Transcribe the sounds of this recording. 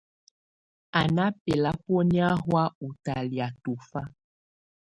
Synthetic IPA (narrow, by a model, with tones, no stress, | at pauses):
a˨na˦pe˨la˦pɔ˦ni˦a˦ɦwa˦u˨ta˨li˨a˨tu˨fa˦